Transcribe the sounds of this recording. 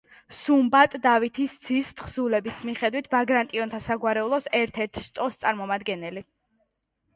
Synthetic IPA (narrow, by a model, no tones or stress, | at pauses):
sumbat̪ʼd̪avit̪ʰist̪sʰist̪χsulɛbismiχɛd̪wit̪ʰvaɡɾant̪ʼiɔnt̪ʰasaɡwaɾɛulˠɔsɛɾt̪ʰɛɾt̪ʰst̪ʼɔst̪sʼaɾmɔmad̪ɡɛnɛli